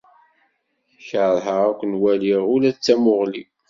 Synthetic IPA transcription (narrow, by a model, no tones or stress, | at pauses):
çəðˤɦəʁækʷənwæliʁʊlæt͡sːæmʊʁli